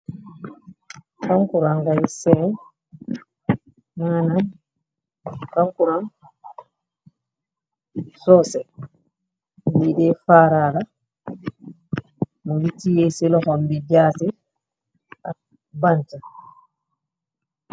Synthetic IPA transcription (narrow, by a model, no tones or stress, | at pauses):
kaŋkuɾaŋɡaisɛn | anan | kaŋkuɾaŋ | sɔsɛ | lidefaːɾaːɾa | mulitijesilɔkɔmbid͡ʒaːsi | a̰ | banta